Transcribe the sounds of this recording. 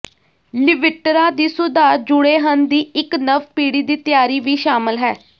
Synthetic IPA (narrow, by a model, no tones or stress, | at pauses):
lɪʋɪʈːɾãːd̪iːsʊd̪aːɾd͡ʒʊɽeːɦənd̪iːɪknəʋpiːɽiːd̪iːt̪ɪjaːɾiːʋiːʃaːməlɦɛː